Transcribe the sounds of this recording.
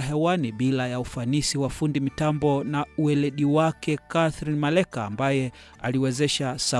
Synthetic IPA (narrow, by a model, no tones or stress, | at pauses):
ɦɛwaniɓilajaufanisiwafundimitambɔnauɛlɛɗiwakɛkaθɾinmalɛkaːmbajɛ | aliwɛzɛʃasa